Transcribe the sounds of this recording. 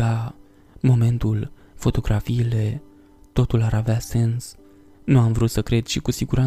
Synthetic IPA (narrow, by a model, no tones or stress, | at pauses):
a | mo̞me̞nt̪ul | fo̞t̪o̞ɡɾʔafiːle̞ | t̪o̞t̪ulaɾavease̞ns | nuamvɾut̪səkɾe̞d̪̥ʃikusiɡuɾa